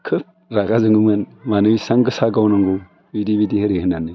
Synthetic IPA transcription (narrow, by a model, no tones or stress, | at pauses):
kʰɯp̚ | ɾaɡazɯŋɡɯmɯnmanɯjsaŋɡɯsaɡawnaŋɡu | bidibidihɯɾehɯnanɯ